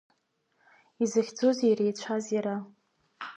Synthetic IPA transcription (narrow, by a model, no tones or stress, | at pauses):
izɨχʲd͡zoziɾejt͡ɕʷʰaziɾa